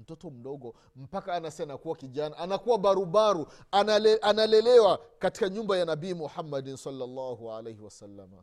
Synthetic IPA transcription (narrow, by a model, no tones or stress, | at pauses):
m̩tɔtɔm̩ɗɔɡɔ | m̩pakaːnasɛnakuwakiʄanaʔanakuwaɓaɾuɓaɾu | anʔanalɛlɛwakati̥kaɲumbajanabiːmuhamːadinsalːalːaːhuʕa̰lejhiwasalːama̰